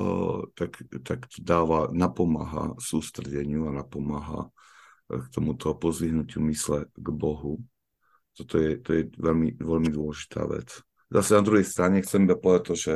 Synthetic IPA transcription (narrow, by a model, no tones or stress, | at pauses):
t̪akt̪akt̪ɔ̥d̪aːʋanapɔma̰ːɦa̰suːst̪ɾɛɟɛɲɪuanapɔmaːɦa̰ | kt̪ɔmut̪ʰɔpɔzliɦnucɪumislɛɡbɔɦu | t̪ɔt̪ɔjɛt̪ɔjɛʋɛlmiʋɛlmid̪ʊɔlɛʒi̥t̪ʰa̰ːʋɛ̰t͡s | zasɛnad̪ɾuɦɛjst̪ɾaɲɛxt͡sɛmd̪apɔat̚t̪ɔʒɛ